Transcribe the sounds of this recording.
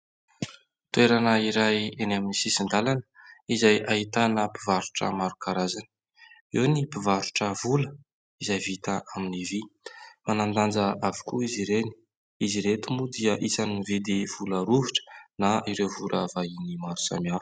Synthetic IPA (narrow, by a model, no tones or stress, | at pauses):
t̪ueɾanəiɾajenaminisisind̪alanə̥izajʔaɦit̪anəpivaɾuʈ͡ʂə̰maɾukaɾazan | iwnipivaɾuʈ͡ʂəvulə | izajvit̪aʔaminivimanand̪and͡zəavu̥kuiziɾeni̥ | iziɾet̪umud̪iəʔisanived̪ev̥ulaɾuviʈ͡ʂə̥naiɾewvuɾʔə̰vainimaɾu̥sa̰miaf